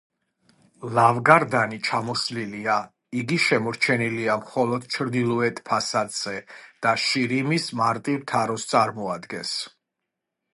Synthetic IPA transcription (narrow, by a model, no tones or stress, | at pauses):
lavɡaɾd̪anit͡ʃʰamɔslilia | iɡiʃɛmɔɾt͡ʃʰɛniliamχɔlˠɔd̪̥t͡ʃʰɾd̪ilˠɔɛt̪ʼpʰasad̪z̥ɛd̪̥aʃiɾimismaɾt̪ʼivt̪ʰaɾɔst̪sʼaɾmɔad̪ɡɛns